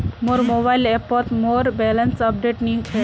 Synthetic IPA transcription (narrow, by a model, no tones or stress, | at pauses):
moɾmobaileɾpɔɾt̪moɾbɛlənsəp̚ɖeʈnik